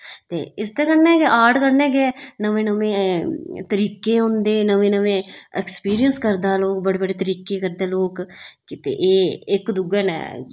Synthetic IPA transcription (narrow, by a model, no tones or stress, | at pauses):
t̪ḛːɪst̪eːkəɾnɛ̃ːkeʔaːɖkəɾnɛ̃ːɡɛːnəʋẽːnəʋẽːt̪əɾiːkeːɦõːnd̪eːnəʋẽːnəʋẽːɛkspiːɾiənskəɾd̪aːloːkbəɽeːbəɽeːt̪əɾiːkeːkəɾd̪eːloːkkɪt̪ḛːʔeːɪkd̪ʊɡɛːnɛ̰ː